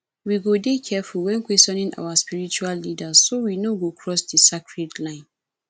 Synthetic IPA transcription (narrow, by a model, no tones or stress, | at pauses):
wiɡodekʰɛfulwɛ̃nkʰwɛstɔ̃nɪ̃ŋʔa̰waspiɹit͡ʃualːidazsowinoɡokʰɹɔsdisakɹedlãɪ̃n